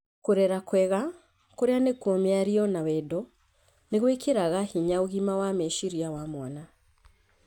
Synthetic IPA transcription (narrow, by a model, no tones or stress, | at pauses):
kuɾeɾakweɣa | kuɾjanekomiaɾionawedo | neɣwekiɾaɣahiɲauɣimawameʃiɾjawamona